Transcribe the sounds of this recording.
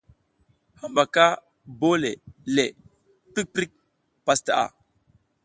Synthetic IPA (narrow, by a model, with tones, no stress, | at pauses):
ha˦mba˨ka˦ | bo˦le˨le˨ | pi˦k̚pɾi˦k̚ | pa˦sta˨ʔa̰˨